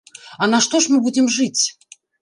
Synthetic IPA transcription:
ɐnɐʂt̪oʂmɨbudʲɪmʐɨt͡sʲ

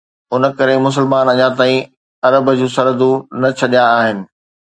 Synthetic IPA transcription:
ʊnə̆kɐɾemʊs̬ɪlmaːnɐɲãt̪aːĩ | ɐɾəbəd͡ʑũːsɐɾəd̪unɐt͡ɕʰɐɗijãːɦɪnɪ̆

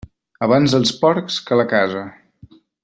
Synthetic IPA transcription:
əβ̞anzðəlˠspɔɾkskələkazə

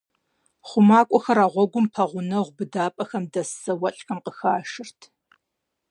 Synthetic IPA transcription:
χʷʊmaːkʷʼɔxɐɾaːʁʷɔɡʷʊmpʰɐʁʷʊnɐʁʷʊbɨdaːpʼɐxɐmdɐsɐwɐɬʼxɐmqəxaːʃɪrtʰ

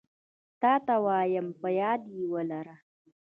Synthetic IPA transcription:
taːtawaːjɐmpɐjaːdiːwɐlɐɾa

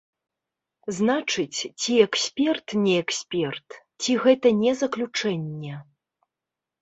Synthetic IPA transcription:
znat͡ʂɨt͡sʲt͡sʲiɛksʲpʲɛrt̪nʲɛɛksʲpʲɛrt̪ | t͡sʲiɣɛt̪ɐnʲɛzɐklʲut͡ʂɛnʲːɛ

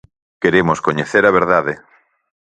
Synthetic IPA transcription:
keɾemoskoɲeθeɾɐβ̞eɾðaðe

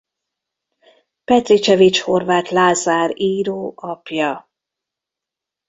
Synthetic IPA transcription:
pɛt̪rit͡ʃɛvit͡ʃho̞rvaːt̪laːzaːɾiːɾoːʔɒpjɒ

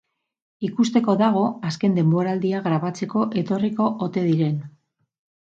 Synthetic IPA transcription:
ikust̪e̞ko̞ðaɣ̞o̞aske̞nd̪e̞mbo̞ɾald̪iaɣɾaβat͡se̞ko̞ʔe̞t̪o̞riko̞ʔot̪e̞ðiɾe̞n

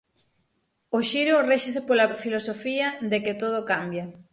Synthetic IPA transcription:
oʃiɾoreʃes̬epolɐfilosofiɐd̪ekɪt̪oð̞okambjɐ

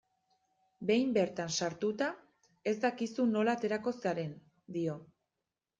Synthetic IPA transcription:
be̞jmbe̞ɾt̪ansaɾt̪ut̪a | e̞zd̪akisuno̞lat̪e̞ɾako̞saɾe̞n | d̪io̞

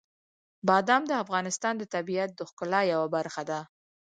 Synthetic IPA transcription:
bɑd̪ɑmd̪əafɣɑnɪst̪ɑnd̪ət̪abiat̪̚d̪əxkʊlɑjawabaɾxad̪a

